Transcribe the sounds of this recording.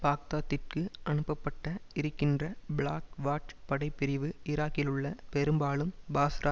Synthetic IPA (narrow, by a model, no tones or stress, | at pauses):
paːk̚t̪aːt̪ːɪrkɯʔɐnɯpːɐpːɐʈːɐɪɾɯkːɪndrɐbɪɭaːkʋaːʈpɐɽɐɪpːɪɾɪʋɯʔɪɾaːkɪlɯɭːɐpɛɾɯmbaːɭɯmbaːsɾʔaː